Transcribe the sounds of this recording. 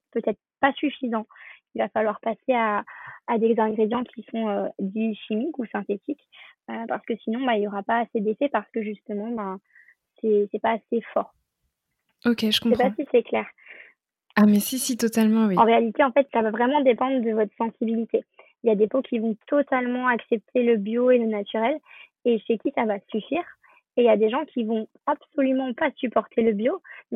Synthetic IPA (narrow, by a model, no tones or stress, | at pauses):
pøt̪ɛt̪χpasyfizɑ̃ilvafalwaʁpaseaːd̪ezɛ̃ɡʁed̪jɑ̃kʲʰisɔ̃ød̪iʃimikusɛ̃t̪et̪ʰikʲøpaʁsə̥kəsinɔ̃bailjɔʁapaːsed̪efɛpaʁsə̥kəʒyst̪əmɑ̃bã | sɛsɛpaːsefɔʁ | okʲeʒəkɔ̃sɛpãsisɛklɛːʁ | amɛsisit̪ɔt̪almɑ̃wiɑ̃ʁealit̪eɑ̃fɛt̪savavʁɛmɑ̃d̪epɑ̃d̪ʁəd̪əvɔt̪χəsɑ̃sibilit̪e | iljad̪epokʲivɔ̃t̪ɔt̪almɑ̃aksɛp̚t̪ʰeləbjoelənat̪yʁɛl | eʃekʲisavasyfiːʁ | eljad̪eʒɑ̃kʲʰivɔ̃ | absɔlymɑ̃pasypɔʁt̪ʰeləbjomɛ